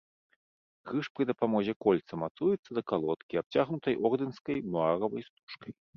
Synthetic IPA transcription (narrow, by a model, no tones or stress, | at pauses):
ɣɨʂpɾɨd̪ɐpamɔzʲɛkɔlʲt̪sɐmat̪sujɛt̪sːɐd̪ɐkalˠɔt̪kʲiap̚t͡sʲaɣnut̪ɐjʔɔrd̪ɨnskɐjmuaɾɐvɐjst̪u̥ʂkɐj